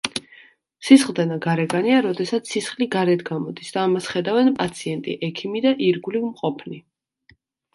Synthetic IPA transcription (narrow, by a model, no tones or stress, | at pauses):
sisχlˠd̪ɛnaɡaɾɛɡaniaɾɔd̪ɛsat̪sʰːisχliɡaɾɛt̪ʰɡamɔd̪isd̪̥aːmasχɛd̪avɛnpʼat̪sʰiɛnt̪ʼḭʔɛkʰimid̪aʔiɾɡulivmqʼɔpʰni